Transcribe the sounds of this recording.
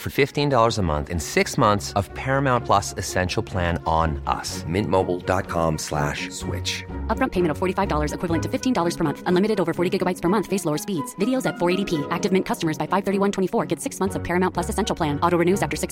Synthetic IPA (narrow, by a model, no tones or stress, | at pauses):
fə˞fɪftĩndɔlˠə˞zəmʌ̰̃nθɨ̰̃nsɪksmʌ̃nθsʌv̥pʰɛɹɨmãʊ̃npʰl̥ʌsɨsɛ̃nʃl̩ˠpʰl̥æ̃ñnʌ̰smɪ̃nmoʊbl̩ˠdɑ̰t̚kʰɑ̰̃mslæ̰ʃswɪ̰t͡ʃʌp̚ɹ̥ʌ̃mpʰeɪmɨ̃ñʌv̥fɔɹɾifaɪvdɔlˠə˞zɨkʰwɪvl̩ˠə̃ntʰɨfɪftʰĩndɔlˠə˞z̥pʰə˞mʌ̃nθə̃nlɪ̃mɨɾɨɾoʊvə˞fɔɹɾiɡɪɡəbaɪtspʰə˞mʌ̃nθfeɪsloʊə˞spidz̥vɪɾioʊzɨtfɔɹeɪɾipʰiʔæk̚tɨvmɪ̃nkʰʌstəmə˞zbaɪfaɪv̥θɜ˞ɾiwʌ̃ntʰw̥ɛ̃ifɔɹɡɛtsɪksmʌ̃nθsʌv̥pʰɛɹɨmãʊ̃npʰl̥ʌsɨsɛ̃nʃl̩ˠpʰl̥æ̃nɔɾoɹɨnʉzæftə˞sɪks